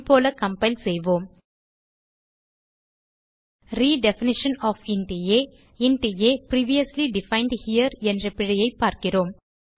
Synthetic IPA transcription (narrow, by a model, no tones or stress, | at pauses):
poːlɐkɐmpɐɪlsɛjʋoːm | ɾiːɖɛfɪnɪʂənɔːfɪɳʈijeː | ɪɳʈijeːpɾiːʋijɐsliɖɪfɐɪɳɖhijɐɾɛndrɐpɪɻɐjɐɪpːaːɾkɪroːm